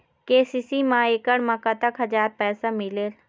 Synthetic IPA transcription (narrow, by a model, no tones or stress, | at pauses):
keːsiːsimãːeːkəɽmɐkat̪əkɦɐd͡ʒaːɾpɛːsamɪleːl